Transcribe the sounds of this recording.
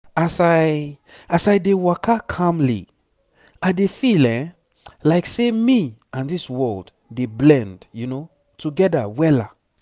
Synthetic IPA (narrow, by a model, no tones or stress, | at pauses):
asaɪ | asajdewakʰakʰãmlḭ | aɪdefilɛ̃ | laɪksemiãndiswɜld | deblɛ̃ndjuno | tʰuɡɛdə̰wɛla̰